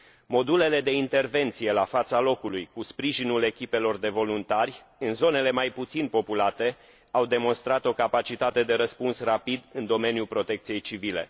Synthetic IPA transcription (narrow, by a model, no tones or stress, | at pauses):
mo̞d̪ule̞le̞d̪e̞int̪e̞rve̞nt̪sije̞lafat̪salo̞kulujkuspɾiʒinule̞kʲipe̞lo̞rd̪e̞vo̞lunt̪arʲ | ɨnzo̞ne̞le̞majput̪sinpo̞pulat̪e̞ | awd̪e̞mo̞nst̪ɾat̪o̞kapat͡ʃit̪at̪e̞d̪e̞ɾəspunsrapid̪ɨnd̪o̞me̞njulpɾo̞t̪e̞k̚t̪sije̞jt͡ʃivile̞̰